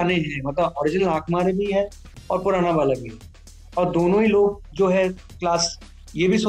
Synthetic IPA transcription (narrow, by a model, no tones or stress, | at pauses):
neɦɛ̃mɐt̪ləbɔːɾɪd͡ʒnəlaːkmaːɾebʱiɦɛ | ɔːɾpʊɾaːnabaːlabʱiɦɛ | ɔːɾd̪oːnõiloːɡ̚ | d͡ʒoːɦɛklaːs | jebʱiso